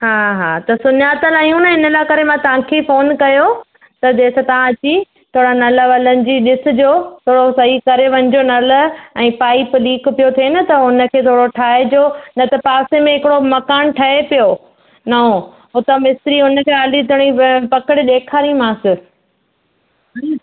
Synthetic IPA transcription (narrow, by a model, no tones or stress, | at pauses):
ɦaːɦaːt̪ɐsʊnjaːt̪əlaũnɐɦɪnəlaːkɐɾemãt̪ɐʋ̤ãkʰefoːnkɐjo | t̪ɐd͡ʑeːsat̪ɐʋ̤ãɐt͡ɕi | t̪ʰoːɽanɐləʋɐlənɪ̆d͡ʑiːɗɪsɪ̆d͡ʑoːt̪ʰoːɽosɐɦikɐɾeʋɐ̃ɲɪ̆d͡ʑonɐlɛ̃ːpaːipliːkpijot̪ʰienɐt̪ɐʊnə̆kʰeːt̪ʰoːɽoʈʰaːed͡ʑoːnɐt̪ɐpaːsemẽɦɪkɪɽomɐkaːnʈʰɐɦepijo | nɐɦo | ʊt̪ɐmɪst̪ɾiɦʊnə̆kʰeːaːlit̪ʰʊɽ̃ipɐkəɽɪɗeːkʰaːɾĩmãsɪ